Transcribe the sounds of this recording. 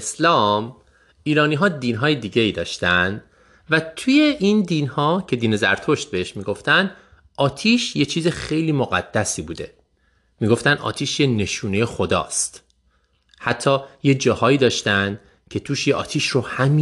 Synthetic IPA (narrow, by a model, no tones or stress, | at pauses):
slɒːm | iːɾɒːniːɦɒːd̪iːnɦɒːjed̪iːɟe̞iːd̪ɒːʃt̪ænd̪ | væt̪ʰuje̞ʔind̪iːnhɒːcʰe̞d̪iːne̞zæ̰ɾt̪ʰo̞ʃt̪̚be̞heʃmiːɡo̞ft̪ænd̪ | ʔɒːt̪ʰiːʃje̞t͡ʃʰiːzexe̞jliːmoɣæ̰d̪̥ːæsiːbuːd̪e̞̰ | miːɡo̞ft̪ænd̪ʔɒ̰ːt̪ʰiːʃjene̞ʃuːnejexod̪ɒ̰ːst̪ | hæt̪ʰːɒːjed͡ʒɒːhɒːiːd̪ɒːʃt̪ænd̪̥ | cʰe̞t̪ʰuːʃjeʔɒ̰ːt̪ʰiːʃrohæmi